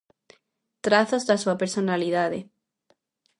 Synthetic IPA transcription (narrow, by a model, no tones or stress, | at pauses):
t̪ɾaθozðasuapeɾsonaliðaðe